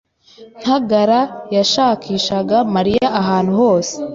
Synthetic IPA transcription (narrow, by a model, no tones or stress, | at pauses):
n̥haɡaɾajaʃaːkʰiːʃaɡamaɾijaʔːɦaːnhuho̞ːse